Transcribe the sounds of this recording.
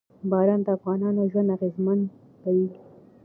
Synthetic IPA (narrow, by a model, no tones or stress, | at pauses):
bɑɾɑnd̪aːfɣɑnɑnaʒwand̪aɣezman | t̪awi